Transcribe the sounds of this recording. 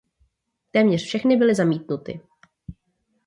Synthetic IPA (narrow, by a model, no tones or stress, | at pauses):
t̪ɛːmɲɛrfʃɛxnɪbɪlɪzamiːt̪nut̪ɪ̰